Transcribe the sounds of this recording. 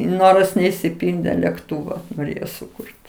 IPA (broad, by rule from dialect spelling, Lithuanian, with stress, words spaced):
ˈnoːrɐs nʲɛɪʃʲsʲɪˈpʲɪlʲdʲeː lʲɛkˈtuːʋɐ noːˈrʲeːjoː sʊˈkʊrʲtʲ